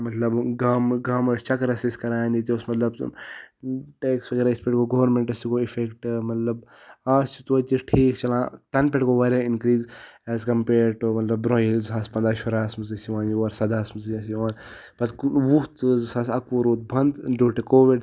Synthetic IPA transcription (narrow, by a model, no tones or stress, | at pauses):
mɐt̪lɐbɡaːmɡaːmɐst͡ʃɐkɾɐsiskɐɾaːjnd̪it̪ʲoːsmɐt̪lɐb | ʈeːksʋɐɡeɾaːispeʈkoɡoːʋɾmeɳʈɐsikoifekʈmɐt̪lɐbaːst͡ʃʰit̪uʋɐt͡ʃisʈʰiːkt͡ʃɐlãːt̪ɐnpeʈkoʋɐɾeinkɾiːzɛːzkɐmpeːɾʈomɐt̪lɐbːɾoːjilzɦaːspɐnd̪aːʃoɾaːsmɐzɐsiʋãːniʋɐɾsɐd̪aːsmɐzɐsioːnpɐt̪ʋut̪zsaːsɐkoɾuːt̪̚bɐnd̪d͡ʒoːʈekoːʋiɖ